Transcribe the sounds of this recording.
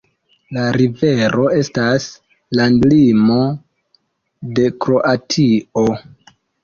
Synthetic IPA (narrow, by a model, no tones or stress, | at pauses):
laɾive̞ɾʔo̞e̞stas | landlimo̞ | de̞kɾo̞ʔatʰio̞